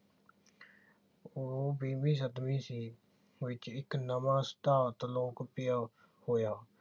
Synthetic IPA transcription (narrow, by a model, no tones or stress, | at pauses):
obiːmiːsəd̪miːsiː | ʋɪt͡ʃɪknəmãːst̪aːt̪loːkpɪjaː | hoːjaː